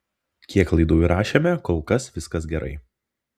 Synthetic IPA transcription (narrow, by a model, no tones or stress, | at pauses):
kʲiɛklˠɐɪd̪uːjɾɑːʃʲeːmʲɛkoːlˠkɐsʋʲɪskɐs̬ɡʲɛɾʔɐ̰ɪ